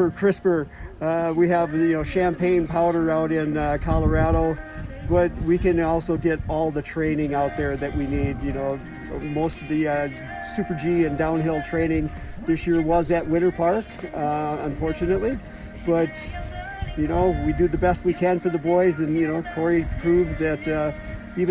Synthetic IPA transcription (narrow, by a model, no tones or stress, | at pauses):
ə˞kʰɹ̥ɪspə˞ | wiɨvjɨnoʊʃæ̃mpʰẽɪ̃npʰaʊɾə˞aʊɾɪ̃nkʰɑlˠə˞æɾoʊbʌt̚wikɨ̃nɔlˠsoʊɡɛɾɔlˠðɨtʰɹ̥ẽɪ̃nɪ̃ŋaʊt̪̚ðə˞ðɨʔ̚winid̚jɨnoʊ | moʊstʌvðɨ | sʉpə˞d͡ʒiɨ̃ndãʊ̃nɦɪlˠtʰɹ̥ẽɪ̃nɪ̃ŋ | ðɪsjɪɹwʌzɨt̚wɪ̃ɾ̃ə˞pʰɑɹk | ə̃ɱfɔɹt͡ʃɨnɨtˡli | b̥ʌt̚ | jɨnoʊwidɨðɨbɛst̚wikʰɨ̃nfə˞ðəbɔɪzɨ̃njɨnoʊkʰɔɹipʰɹ̥uvðɨɾ | iv